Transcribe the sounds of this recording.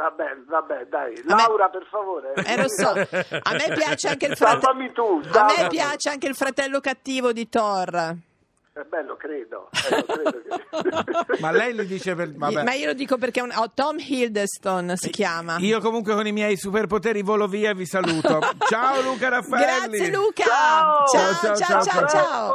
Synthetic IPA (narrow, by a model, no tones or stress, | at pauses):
vabɛvabːɛd̪ajlaamawɾaperfavoːɾeɛlosɔa̰mmːepːjat͡ʃeaŋk̟eifɾaamit̪udaamːepːjaːt͡ʃeaŋkeilfɾat̪ɛlːokat̪ːiːvod̪it̪ɔr | ɛbɛlːokɾeːd̪o̰ɛoeːd̪o | malːɛjlid̪iːt͡ʃepevaɛmaiːolod̪iːkop̬erkenɔt̪ɔmhild̪est̪onsik̟jaːmaiokomuŋk̬wekonimjɛjsuperpot̪eːɾivoloviːavisaluːot͡ʃaoluːkaɾafːɡɾɛlːiseluːkaaot͡ʃat͡ʃat͡ʃat͡ʃat͡ʃat͡ʃat͡ʃao